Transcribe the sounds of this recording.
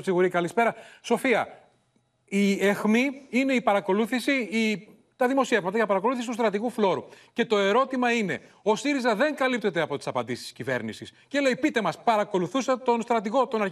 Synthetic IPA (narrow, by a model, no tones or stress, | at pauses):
siɣuɾikɐlispe̞ɾɐso̞fiɐ̰ | iexmiine̞ipɐɾɐko̞luθisii | t̪ɐðimo̞sie̞vmɐt̪ɐʝɐpɐɾɐko̞luθisit̪ust̪ɾɐt̪iɣuflo̞ɾuce̞t̪o̞e̞ɾo̞t̪imɐine̞̰ | o̞siɾizɐðeŋkɐlip̚t̪e̞t̪e̞ɐpo̞t̪i̥sɐpɐnd̪isst̪i̥scive̞̰ɾnisisce̞le̞ipit̪e̞mɐspɐɾɐko̞luθusɐt̪o̞nst̪ɾɐt̪iɣo̞t̪o̞nɐɾ